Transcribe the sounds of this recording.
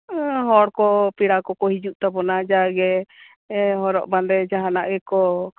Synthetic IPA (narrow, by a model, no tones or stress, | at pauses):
ɦɔɽkɔpiɽakɔkɔɦid͡ʒuʔt̪abɔnad͡ʒaɡɛ | ɦɔɾɔ̰ʔband̪ɛd͡ʒaɦanaʔɡɛkɔ